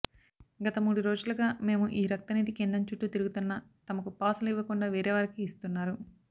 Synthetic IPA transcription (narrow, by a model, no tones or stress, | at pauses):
ɡɐt̪ɐmuːɽuɾo̞ːd͡ʒulɐɡaːme̞ːmuʔiːɾɐk̚t̪ɐnid̪ikend̪ɐɲt͡ʃuʈːut̪iɾuɡut̪unːɐt̪ɐmɐkupaːsɐliʋːɐkuɳɖaːʋeːɾɛːʋaːɾikiːst̪unːaːɾu